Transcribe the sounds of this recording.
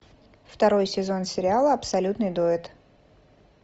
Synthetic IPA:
ft̪ɐɾo̞jsʲɪzo̞nsʲɪɾʲɪalˠəɐpsɐlʲut̪nɨjd̪oɪt̪

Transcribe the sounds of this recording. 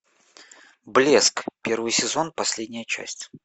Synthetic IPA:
blʲe̞skpʲe̞rvɨjsʲɪzo̞npɐsʲlʲedʲnʲɪjət͡ɕæ̰sʲtʲ

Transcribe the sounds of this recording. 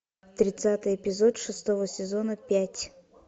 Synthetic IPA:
t̪ɾʲɪt̪sat̪ɨjɪpʲɪzot̪ʂɨst̪ovəsʲɪzonəpʲætʲ

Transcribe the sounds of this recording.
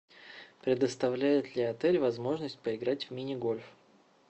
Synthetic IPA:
pɾʲɪd̪əst̪ɐvlʲæjɪt̪lʲɪɐt̪ɛlʲvɐzmo̞ʐnəsʲt̚ʲpəɪɡɾatʲvʲmʲɪnʲɪɡo̞lʲf

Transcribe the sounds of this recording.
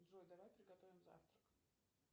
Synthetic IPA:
d̪ɾojd̪ɐvajpɾʲɪɡɐt̪ovʲɪmza̰ft̪ɾək

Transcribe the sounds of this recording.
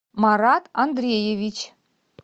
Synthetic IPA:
mɑɾɑt̪ɑnd̪ɾʲejevʲit͡ɕ

